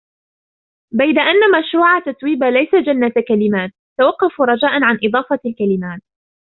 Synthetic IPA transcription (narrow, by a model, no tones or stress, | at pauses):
bajd̪aʔanːamaʃɾuːʕat̪asˤwiːbalajsad͡ʒanːat̪kalɪmaːt̪̚ːawɑqːɑfuɾˤɑd͡ʒaːʔanʕanʔɨd̪ˤɑːfɑlkalɪmaːt̪̚